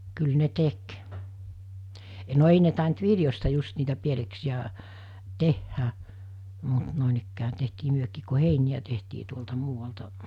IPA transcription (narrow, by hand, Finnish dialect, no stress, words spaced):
kyl ne tek no ei ne tɑˑint ʋiljostɑ just niːtæ pieleksiæ tehːæ mut noˑenikːæː tehtiː myøkiːk ku heinij̆æ tehtiː tuoltɑ muːʋɑltɑ